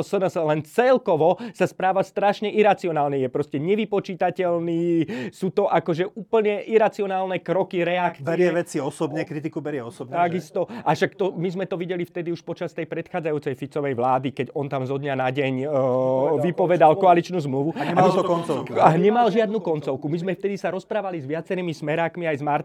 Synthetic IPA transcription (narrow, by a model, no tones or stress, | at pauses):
sənəslɛnt͡sɛlkɔʋɔsaspɾaːʋast̪ɾaʃɲɛʔiɾat͡siɔnaːlɲɛjɛpɾɔscɛɲɛʋipɔt͡ʃiːt̪acɛlniːsuːt̪ɔʔakɔʒɛʔuːpl̩ɲɛʔiɾat͡siɔnaːlnɛkɾɔkiɾɛakt͡sbiɛɾɪɛʋɛt͡siɔsɔbɲɛkɾit̪ikubɛɾɪɛɔsɔbɲt̪aɡist̪ɔʔaʃakt̪ɔmizmɛt̪ɔʋiɟɛlift̪ɛd̪iuʃpɔt͡ʃast̪ɛjpɾɛt̪xaːd͡zajuːt͡sɛjfit͡sɔʋɛjʋlaːd̪ikɛɟɔnt̪amzɔd̪ɲanaɟɛɲ | ʋipɔʋɛd̪alkɔalit͡ʃnuːzmluʋuɛaɔkɔnt͡sɔlkaɲɛmalʒɪad̪nuːkɔnt͡sɔʊkumizmɛft̪ɛd̪isaɾɔspɾaːʋalizʋɪat͡sɛɾiːmismɛɾaːkmiajzmaɾ